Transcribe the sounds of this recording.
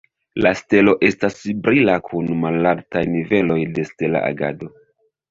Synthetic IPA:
laste̞lo̞ʔe̞stasibɾilakʰunmalaɾtajnive̞lo̞jde̞ste̞la̰ʔa̰ɡa̰do̞

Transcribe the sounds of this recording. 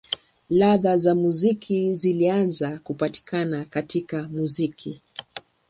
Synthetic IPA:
laðazamuzikʰizilianzakupati̥kʰanakatikamuzikʰi

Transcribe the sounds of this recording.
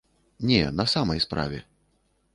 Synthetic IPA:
nʲɛ̰nɐsamɐjspɾa̰vʲɛ̰

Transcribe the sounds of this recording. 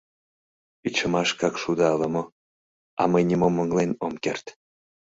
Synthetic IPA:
yt͡ɕəmɑʃkɑkʃud̪ɑlɤ̆mo | ɑ̰məjnʲimomːəŋlenomkert̪

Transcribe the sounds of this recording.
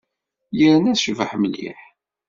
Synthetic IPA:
jəɾənæʃəvəħməlːḭħ

